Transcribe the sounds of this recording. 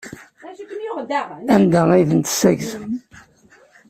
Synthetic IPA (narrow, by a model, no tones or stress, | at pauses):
ænd̪æiðənt̪sæʝz